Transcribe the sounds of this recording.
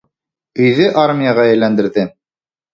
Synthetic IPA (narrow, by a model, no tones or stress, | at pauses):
ɵ̆jðɘʔaɾmʲijaʁɑjæ̆lːænd̪ɘ̆ɾðɘ